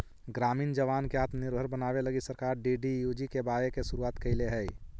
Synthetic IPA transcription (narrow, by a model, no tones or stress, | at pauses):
ɡɾaːmiːnd͡ʒəʋaːnkeaːt̪nɪɾbʱəɾbənaːʋeləɡisəɾkaːɾɖiɖijud͡ʒikebaːɾekesʊɾuaːt̪kəɪleɦɛi